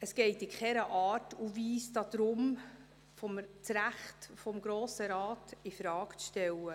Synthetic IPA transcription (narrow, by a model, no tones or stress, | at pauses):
əsɡ̥ɛɪtɪkχɛɾəʔɑːɾtuviːsdɑd̪̥ɾʊm | fɔmt͡sɾæχtfɔmɡɾoːsəɾɑːtifɾɑːkt͡sʃtɛwə